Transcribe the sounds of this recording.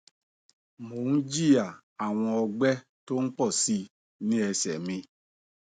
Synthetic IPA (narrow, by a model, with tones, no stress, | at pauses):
mo˨˦n̩˦d͡ʒi˦˨ja˨ | a˨w̃ɔ̃˧ɔ˧ɡ͡bɛ˦ | to˦n̩˦k͡pɔ˦˨si˧ | nĩ˦ɛ˧sɛ˨mĩ˧